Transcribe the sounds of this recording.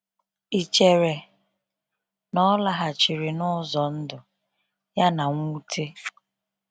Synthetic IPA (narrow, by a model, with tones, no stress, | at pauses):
i˨t͡ʃe˨ɾe˨ | nɔ˦la˨ɦa˨t͡ʃi˨ɾi˨nʊ˦zɔ˨n̩˦dʊ˨ | ja˦na˨ŋʷu˦tʰe˦